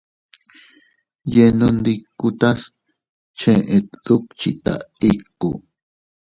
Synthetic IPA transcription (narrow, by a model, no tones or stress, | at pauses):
jenund̪ikːut̪as | t͡ʃʰẽʔet̪̚ðuk̚t͡ʃit̪a̰ikːu